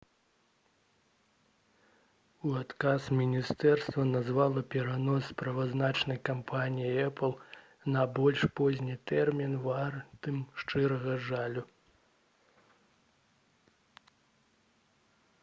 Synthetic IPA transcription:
uat̪kasmʲinʲist̪ɛrst̪vɐnazvalˠɐpʲɛɾanɔsːpɾɐvaznat͡ʂnɐjkampʰanʲijiɛplˠ | nɐbɔlʲʂpɔzʲnʲit̪ɛrmʲinvart̪ɨmʂt͡ʂɨɾɐɣɐʐalʲu

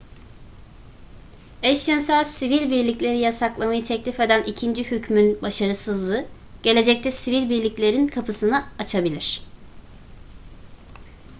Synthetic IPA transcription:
ɛʃjinsaɾsivilʲbiɾlʲiclʲe̞ɾijasaklˠamajɯt̪ʰɛclʲife̞d̪ænʔicʰind͡ʒihycmynbaʃaɾɯsɯzlˠɯ | ɟ̥e̞lʲe̞d͡ʒɛc̚t̪ʰɛsivilʲbiɾlʲiclʲe̞ɾinkʰapʰɯsɯnaat͡ʃʰabilʲiɾ̥

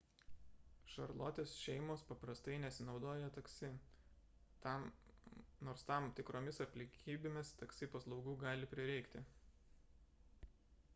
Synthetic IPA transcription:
ʃɐɾlˠo̰ːt̪ʲeːsʃʲɛɪmoːspɐpɾɐst̪ɐɪnʲɛsʲɪnɒʊd̪oːjɛt̪ɐksʲɪ | t̪ɑm | noːɾst̪ɐˑmt̪ʲɪkɾoːmʲɪsɐpʲlʲɪŋʲkʲiːbʲeːmʲɪst̪ɐksʲɪpɐslˠɒʊɡuːɡɑːlʲɪpʲɾʲɪɾʲɛɪkt̪ʲɪ

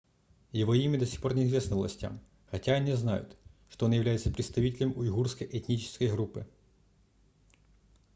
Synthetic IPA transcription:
jɪvo̞imʲəd̪ɐsʲi̥xpo̞rnʲɪɪzvʲesnəvlˠɐ̰sʲtʲa̰m | xɐtʲaɐnʲizna̰jʊ̰t̪ʂt̪oonjɪvlʲæjɪt̪səpɾʲɪt̪st̪ɐvʲitʲɪlʲɪmʊɪɣurskəjʔɛtʲnʲit͡ɕɪ̥skəjɣɾupːɨ

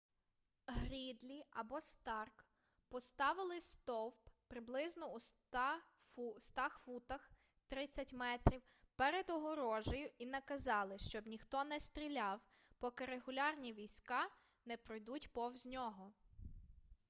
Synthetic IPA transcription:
ɦɾʲid̪lʲiɐbɔst̪ɑrk | pɔst̪ɑʋɪlˠɪst̪ɔwppɾɪblˠɪznɔust̪ɑ | st̪ɑxʋut̪ɐx | t̪ɾɪt͡sʲːɐtʲmɛt̪ɾʲiwpeɾed̪ɔɦɔɾɔʒɔjʊinɐkɐzɑlˠɪʃt͡ʃɔbnʲixt̪ɔnɛst̪ɾʲilʲɑw | pɔkɪɾeɦʊlʲɑrnʲiʋʲijsʲkɑ | nɛpɾɔjd̪utʲpɔwzʲnʲɔɦɔ

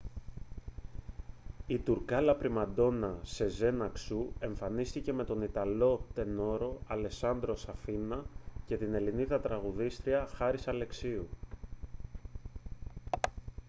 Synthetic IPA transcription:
it̪uɾkɐlɐpɾimɐd̪o̞nɐse̞ze̞nɐksue̞ɱfɐnist̪ice̞me̞t̪o̞nit̪ɐlo̞t̪e̞no̞ɾo̞ɐle̞sɐnd̪ɾo̞sɐfinɐce̞t̪ine̞liniðɐt̪ɾɐɣuðist̪ɾiɐxɐɾisɐle̞ksiu

